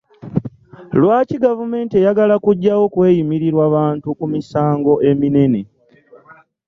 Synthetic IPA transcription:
lwaːciɡavume̞ːntie̞jaɡalakuɟːawo̞kwe̞ːjimiɾiɾwaβaːntukumisaːŋɡo̞ʔemine̞ne̞

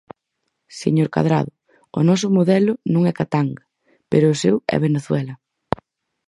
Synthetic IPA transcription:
sḛɲoɾka̰ðɾa̰ðʊ | ʊ̰nɔs̬ʊmoðɛlʊnõŋɛkat̪aŋɡa | peɾʊːsewɛ̰β̞eneθwɛlɐ

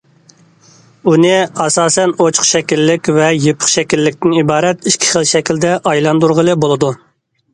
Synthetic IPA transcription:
unɪɑsɑːsɛnot͡ʃʰχʃɛkʲilːɪkʲvɛjepʰə̥χʃɛkʲilːɪkʲt̪ɪnibɑːɾɛt̪iʃkʲʰi̥χəlˠʃɛkʲild̪ɛʔɑjlˠɑnd̪uɾʁəlˠɨbolˠɨd̪u

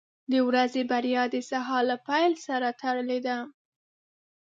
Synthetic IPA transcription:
d̪əwɾazebaɾjɑd̪əsaɦɑlapajlsaɾat̪aɽəled̪a

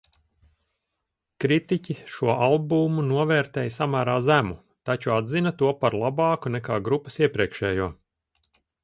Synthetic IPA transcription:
kɾit̪icʲiʃuɔʔalˠbuːmunuɔvɛːɾt̪ɛːjsamaːɾaːzæmu | t̪at͡ʃuad̪zinɐt̪uɔpaɾlˠabɑːkunɛkaːɡɾupɐ̥siɛpɾiɛkʃɛːjuɔ

